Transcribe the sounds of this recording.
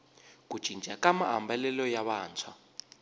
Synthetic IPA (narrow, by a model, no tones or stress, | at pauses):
k̬ʼud̥ʒ̥ʱind͡ʒʱakamaɦa̰mbɛlɛlɔjaβaːnt͡sʰwa